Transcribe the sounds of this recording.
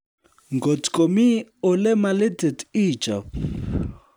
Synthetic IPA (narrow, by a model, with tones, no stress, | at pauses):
ŋɡʱo˨tkʼo˨mi˦ɔ˨lɛ˦ma˨lɛ˦dʱɛ˨diː˨t͡ʃʼa˨